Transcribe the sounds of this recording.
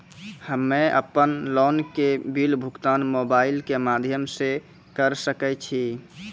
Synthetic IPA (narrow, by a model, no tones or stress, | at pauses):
həmːeə̰pənlɔnkebilbʱukt̪anmobailkemad̪ʱjəmse | kəɾsəkɛt͡ʃʰi